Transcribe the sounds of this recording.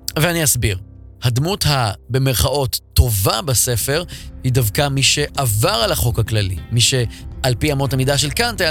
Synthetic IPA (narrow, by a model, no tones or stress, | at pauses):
veaniasbiʁhad̪muthabe̞me̞ʁχaʔo̞tːo̞vabase̞fe̞ʁhidavkamiʃe̞ʔavaʁalaχo̞khaklalḭmiʃe̞alpiamo̞tamidaʃ̬e̞lkantea